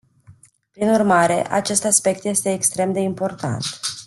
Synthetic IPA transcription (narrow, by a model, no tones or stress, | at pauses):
pɾinurmaɾe̞̰ʔa̰t͡ʃe̞st̪aspe̞k̚t̪je̞st̪e̞ːkst̪ɾe̞md̪e̞impo̞rt̪a̰nt̪